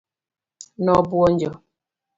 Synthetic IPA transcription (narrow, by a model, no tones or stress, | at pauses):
nɔbuɔnd͡ʒə